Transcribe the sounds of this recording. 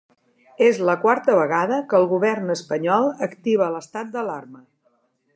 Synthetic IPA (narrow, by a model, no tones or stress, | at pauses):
ezləkwaɾt̪əβəɣaðəkəːlˠɣuβ̞ɛrnəspəɲɔlˠəkt̪iβələst̪at̪̚d̪əlarmə